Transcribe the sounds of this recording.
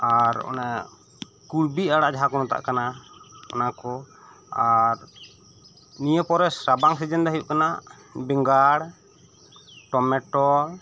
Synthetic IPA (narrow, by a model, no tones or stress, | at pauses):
aɾɔ̰na | kuɽbiaɽaʔd͡ʒaɦakɔnɔt̪a̰ʔkanaɔ̰nakɔ | aɾ | nijəpɔɾɛsɾabaŋsɛd͡ʒɛnd̪aɦijuʔkanaʔ | bɛŋɡaɽ | ʈɔmɛʈɔl